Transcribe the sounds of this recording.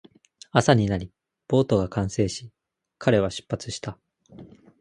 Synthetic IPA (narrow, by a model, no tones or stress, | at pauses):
asaɲ̟inaɾʲi | b̥o̞ːt̪o̞ɡakãɰ̃se̞ːɕi | kʰaɾe̞β̞aɕɨ̥pːat͡sɨ̥ɕi̥t̪a